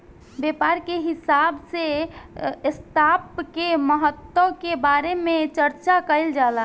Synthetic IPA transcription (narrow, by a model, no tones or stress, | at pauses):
bjepaɾkeɦisabse | st̪apkeməɦət̪wəkebaɾemẽt͡ʃəɾt͡ʃakəɪld͡ʒala